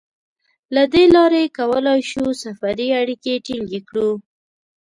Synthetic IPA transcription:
lad̪elɑɾekawəlɑjʃusafaɾiaɽikeʈiŋɡekɽu

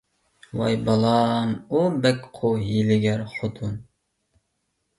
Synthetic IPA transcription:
wɑjbɑlˠɑmubɛkʲqʰojilɪɡʲɛɾχot̪ʰun

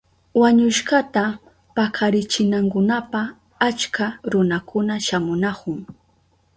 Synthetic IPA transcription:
waɲʊʃɢat̪a | pakʰaɾɪt͡ʃɪnaŋkʊnapa | at͡ʃkaɾʊnakʊnaʃamʊnakʊŋ

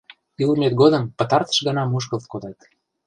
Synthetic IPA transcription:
ilmet̪̚ɡod̪ə̆mpə̆t̪ɑrt̪ə̥̆ʃɣənɑmuʃ̬kə̆lt̪̚kod̪ɑt̪

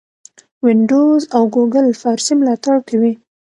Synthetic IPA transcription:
wɪɳɖozawɡoɡəlfɑɾsimlɑt̪aɽkʰawi

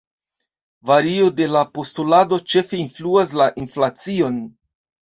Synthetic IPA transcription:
vaɾio̞de̞lapo̞stulado̞t͡ʃe̞fe̞influas̬laʔinflat͡sio̞n

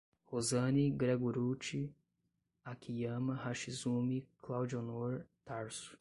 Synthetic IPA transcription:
hozɐ̃niɡɾeɡuɾut͡ʃi | akʰijɐ̃mɐhaʃizũmiklawd͡ʒonoɾt̪aɾsu̥

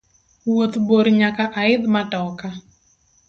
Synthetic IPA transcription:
wot̪boɾɲakaʔaɪd̪matɔka

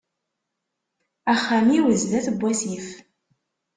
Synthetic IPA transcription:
æχːæmiwəzlæθəbʷːæsif

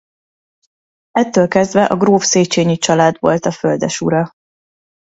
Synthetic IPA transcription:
ɛt̪ːøːlkɛzd̪vɛʔɒɡroːfseːt͡ʃeːɲit͡ʃɒlaːd̪vo̞̰lt̪ɒføld̪ɛʃuɾɒ

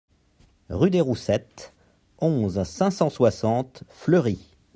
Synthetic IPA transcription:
ʁyd̪eʁusɛt̪ | ɔ̃zsɛ̃sɑ̃swasɑ̃t̪flœʁi

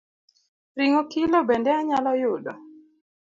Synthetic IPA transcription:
riŋokilobɛndɛaɲalɔjʊdɔ

